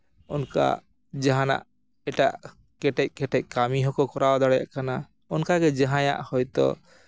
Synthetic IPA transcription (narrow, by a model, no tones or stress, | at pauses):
ɔnka̰ | d͡ʒaɦana̰ʔ | ɛʈaʔ | kɛʈɛc̚ˀkɛʈɛc̚kamiɦɔkɔkɔɾawd̪aɽɛja̰ʔkana | ɔnkaɡɛd͡ʒaɦãja̰ʔhɔjt̪ɔ̰